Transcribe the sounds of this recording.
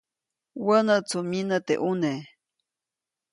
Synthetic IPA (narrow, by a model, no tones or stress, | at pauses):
wənət͡sʰuminət̪ḛʔune